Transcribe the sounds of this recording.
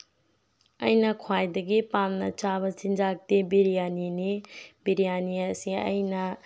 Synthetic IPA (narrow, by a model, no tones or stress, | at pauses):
ɐ̰jnɐkʰwajdɐɡipamnɐt͡ʃabɐsind͡ʒak̚dibiɾijaninibiɾijaniɐsiɐ̰jnɐ